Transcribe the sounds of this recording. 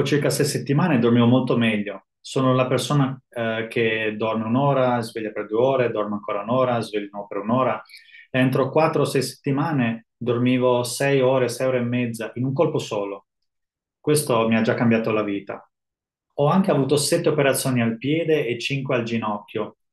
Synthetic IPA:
t͡ʃirkasɛjset̪ːimaːned̪ormiːvomolt̪omɛʎːo | soːnolapersoːnak̟ed̪ɔrmeunɔːɾazveʎːaperd̪ueoːɾed̪ɔrmaŋkoːɾaunoːɾazveʎːanopeɾunɔːɾaɛnt̪ɾokwat̪ːɾosɛjse̥t̪ːimaːne | d̪ormiːvosɛjoːɾesɛjɔːɾeemːɛd̪zːaʔinuŋkolposoːlo | kwest̪omiad͡ʒakːambjaːt̪olaviːt̪a̰ | ɔaŋk̟eavuːt̪osɛt̪ːeopeɾat̪sːjoːnialpjɛːd̪eːt͡ʃiŋkweald͡ʒinɔkːjo

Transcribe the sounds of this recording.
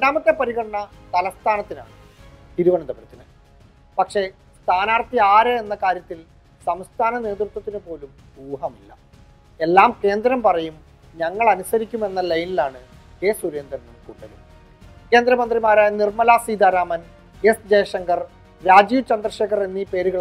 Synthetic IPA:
ɐɳɖaːmɐt̪ːe̞pɐɾiɣɐɽɐɳɐt̪ɐlɐst̪ʰaːnɐt̪ːina̰ːɳɨ | t̪iɾuʋɐɳɐd̪ɐbɐɾɐt̪ːinɨ | pɐkʂe̞ | st̪ʰaːnaːrt̪iaːɾeenːɐkaːɾjɐt̪ːil | sɐmst̪ʰaːnɐne̞ːt̪rut̪wɐt̪ːinɨpo̞ːlum | uːɦɐmilːɐ̰ | e̞lːaːmke̞ːnd̪ɾɐmpɐrɐjum | ɲɐŋːɐɭɐnusɐɾikʲːume̞nːɐlɐjnilaːɳɨ | e̞ːsuɾeːnd̪ɐnnːumkuːʈːɐlɨ | ke̞ːnd̪ɾɐmɐnd̪rimaːɾenirmɐlaːsiːd̪aːɾaːmɐn | esd͡ʑɐjɐʂɐŋɡɐr | ɾaːd͡ʑiːt͡ɕɐnd̪ɾrɐɕeːkʰɐrenːipe̞ːɾuɣɐɭ

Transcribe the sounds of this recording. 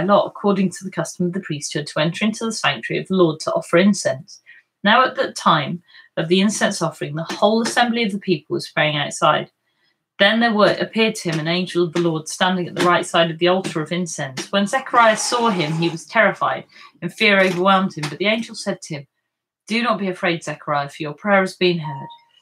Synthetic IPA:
lɔʔəkʰɔɹɾɪ̃ŋtʰəðɨkʰʌstə̃mʌvðɨpʰɹ̥ist̚hʊd̚tʰəɛ̃ntʰə˞ɪ̃ntʰʉðəsæ̃ŋk̚tt͡ʃʰɹ̥iʌvðəlɔɹd̚tʰəʔɑ̰fə˞ɪ̃nsɛ̃ns | naʊət̪̚ðɨtʰãɪ̃m | ʌvðiɨ̃nsɛ̃nsɑfə˞ɪ̃ŋðəhoʊlˠəsɛ̃mbliʌvðəpʰipl̩ˠwʌ̰z̥pɹɛ̃ɪɪ̃ŋaʊtsaɪd̪̚ | ðɨ̃nðəwə˞ʔɨpʰɪɹd̚tʰəɨ̃mɨ̃nẽɪ̃nd͡ʒəl̩ˠʌvðəlɔɹd̥stæ̃ndɪ̃ŋɨt̪̚ðəɹaɪtsaɪɾʌvðiɔlˠtʰə˞ʌvɪ̃nsɛ̃nswə̃nzɛkʰə˞aɪɨsɔɪ̃miwʌz̥tʰɛɹɨfaɪdɨ̃nfɪɹɹoʊvə˞wɛlˠmd̥̚ɨ̃mbʌt̪̚ðiẽɪ̃nd͡ʒl̩ˠsɛd̚tʰəɨ̃m | d̥ɨnət̚b̥iɨfɹeɪdz̥ɛkʰə˞aɪɨfə˞jə˞pʰɹ̥ɛɹɨzbiɪ̃ŋɦɜ˞d̥

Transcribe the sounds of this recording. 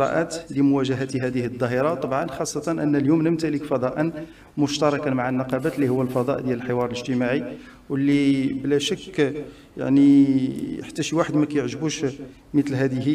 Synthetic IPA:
ɑ̰ʔæt̪ləmʊwæʒæɦæt̪ɦæd̪əhəd̪ˤːɑɦiɾˤɑt̪ˤɑbʕɑnxɑsˤːɑt̪ɑnʔənːæljumləmt̪æləkfɑd̪ˤɑʔən | mʊʃt̪ɑɾˤɑkamaʕənːɑqɑbæt̪əlːihʊwːælfɑd̪ˤɑ̰ʔd̪jæləlħewɑɾˤləʒt̪əmaʕi | wəlːiblæʃəkː | ja̰ʕni | ħat̪ːæʃiwaħəd̪mækæjəʕʒəbuʃ | mət̪lɦæd̪əɦ

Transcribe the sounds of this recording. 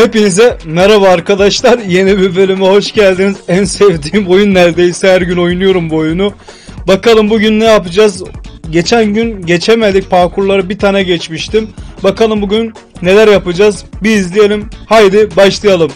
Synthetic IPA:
hepinizɛnaɾaβaːɾkʰad̪aʃlˠaɾje̞nibiɾbø̞lʲymɛho̞ʃɟælʲd̪inizænsɛvd̪iːmo̞junːæɾd̪e̞jisɛhæɾɟyno̞junujo̞ɾumbuo̞junu | bakʰalˠɯmbuɟynːɛjapɯd͡ʒazɟe̞t͡ʃʰænɟynɟe̞t͡ʃʰe̞med̪ic̚pʰaːkʰuɾlˠaɾɯbit̪ʰaːnɛɟɛt͡ʃmiʃt̪imbakʰalˠɯmbuɟynː | e̞lʲæɾjapɯd͡ʒazbiːzlʲije̞lʲimhajd̪ɯbaʃlˠɯjalˠɯm

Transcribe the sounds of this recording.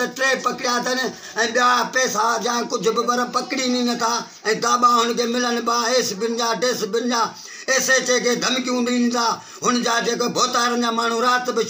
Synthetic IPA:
ɐʈɾeːpɐkɪɽjat̪ʰɐnɪ̆ | ɛ̃ːɓijaːapɛːsad͡ʑãːkʊd͡ʑʱʊ̆bɪbɐɾəpɐkɪɽinĩːnət̪ʰaː | ɛ̃ːɡ̪aːɓãɦʊnkʰeːmɪlənɪ̆baeːsbɪnɪ̆d͡ʑaːʈeːsbɪnɪd͡ʑaː | eːseːt͡ɕeːkʰed̪ʱɐmɪkijũːninnɪ̆t̪ʰaː | ɦʊnɪd͡ʑaːd͡ʑeːkobʱoːt̪aːɾənɪ̆d͡ʑaːmaːɳ̤ũɾaːt̪bɪ

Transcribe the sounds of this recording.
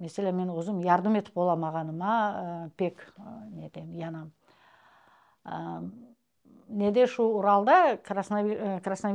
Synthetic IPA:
meseleme̞nʊzəmjɑɾd̪əme̞t̪ɪ̥p̚bo̞lˠɑmɑʁɑnəmɑpʰe̞kned̪emjɑnɑm | ə | ned̪e̞ʃuʊɾɑlˠd̪ɑkrasnkrasna

